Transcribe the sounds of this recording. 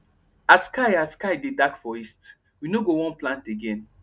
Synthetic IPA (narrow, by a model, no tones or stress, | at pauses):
askaɪaskaɪdedakfɔist | winoɡowɔ̃nplãnteɡẽn